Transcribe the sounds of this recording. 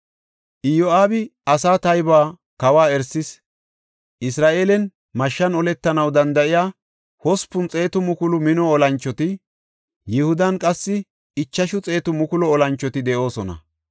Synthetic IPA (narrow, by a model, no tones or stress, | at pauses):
ʔɪjɔaːbɪɐsaːt̪ɐjbaː | kɐwaːɛɾsɪs | ʔɪsɾaːʔeːlɛn | mɐʃːɐnɔlɛt̪ːɐnɐwd̪ɐnd̪ɐʔɪjaː | hɔspʊnt͡sʼe̞ːt̪ʊmʊkʊlʊmɪnɔːlɐnt͡ʃːɔt̪ɪ | jɪhʊd̪ɐnkʼɐsːɪ | ɪt͡ʃːɐʃʊt͡sʼe̞ːt̪ʊmʊkʊlɔːlɐnt͡ʃːɔt̪ɪd̪ɛʔo̞ːsɔnɐ̰